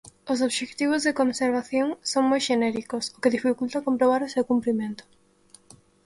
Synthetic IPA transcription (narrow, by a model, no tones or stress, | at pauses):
os̬oβʃek̚t̪iβ̞ozðekonseɾβ̞aθjoŋsoŋmojʃenɛɾikosokeðifikult̪akompɾoβ̞aɾosewkumpɾimẽnt̪ʊ̥